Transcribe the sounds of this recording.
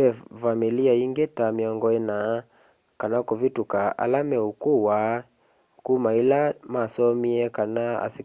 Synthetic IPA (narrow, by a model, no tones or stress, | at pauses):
ɛfamiliaiŋɡɛtamiɔŋɡɔɛna | kanakɔvitukaa̰lamɛukuwa | kumailamasɔmiɛkanaa̰si